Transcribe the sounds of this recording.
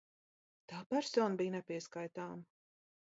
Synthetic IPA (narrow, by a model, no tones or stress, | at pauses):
t̪aːpɛɾsɔːnbijnɛpʲiɛskajt̪aːm